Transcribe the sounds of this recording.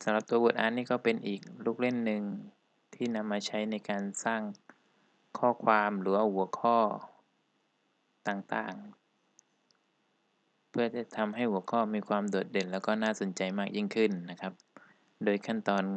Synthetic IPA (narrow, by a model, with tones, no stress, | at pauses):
sa˨˦mla˨˩p̚t̪u˧ɐbu˨˩t̪ʔaː˧˦nːiː˥˩kɔː˥˩pe˧nʔiː˨˩k̚luː˥˩k̚le˥˩nːɯ˨˧ŋ | t̪ʰiː˥˩na˧mːaː˧t͡ɕʰa˦˥jna˧jkaː˧nsaː˥˩ŋ | kʰɔː˥˩kʰwaː˧mɾɯː˩˦waː˧˥˩hu˩˦ɐkʰɔː˥˩ | t̪aː˨˩ŋt̪a̰ː˨˩ŋ | pʰɯ˥˩ɐt͡ɕa˨˩t̪ʰa˧mɦa˥˩jhu˩˦ɐkʰɔː˥˩miː˧kʰwaː˧mdu˨˩t̪̚de˧˩nlɛː˦˥˩wkɔː˥˩naː˥˩so˩˦nt͡ɕa˧jmaː˥˩k̚ji˥˩ŋkʰɯ˥˩nːa˦˥kʰa˦˥p̚ | doː˧jkʰa˥˩nt̪ɔː˧n